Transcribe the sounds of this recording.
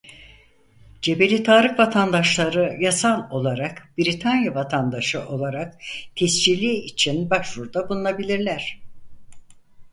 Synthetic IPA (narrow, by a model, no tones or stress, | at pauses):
d͡ʒe̞be̞lʲit̪ʰaːɾɯkvat̪ʰand̪aʃlˠaɾɯjasalˠo̞lˠaɾakbiɾit̪ʰanjavat̪ʰand̪aʃɯʔo̞lˠaɾakt̪ʰɛsd͡ʒilʲiit͡ʃʰinbaʃvuɾd̪abulˠunˠabilʲiɾlʲæɾ̥